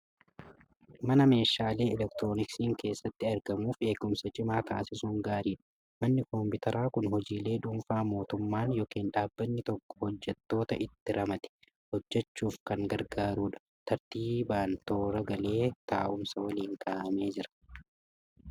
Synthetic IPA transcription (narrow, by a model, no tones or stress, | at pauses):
mɐnɐme̞ːʃaːle̞ːɛlɛkt̪ɾoːnɪksiːŋke̞ːsːɐt̪ːɪɐɾɡɐmuːfe̞ːkːʊmsɐt͡ʃʼɪmaːt̪aːsɪsuːŋɡaːɾiːᶑɐ̥ | mɐnːɪkɔmpɪt̪ɐɾʔaːkʊnɦɔd͡ʒiːle̞ːᶑuːmfaːmo̞ːt̪ʊmːaːnjɔːkiːnᶑaːbːɐnːɪt̪ɔkːɔ̥hɔd͡ʒːɛt̪ːo̞ːt̪ɐʔɪt̪ːɪɾɐmɐt̪ɪ̥ | hɔd͡ʒːɛt͡ʃːuːfkɐŋɡɐɾɡaːɾuːᶑɐ̥ | t̪ʰɐɾt̪iːbaːnt̪o̞ːɾɐɡɐle̞ːt̪a̰ːʔʊmsɐwɐliːŋk̪ʰaːʔɐme̞ːd͡ʒɪɾɐ̥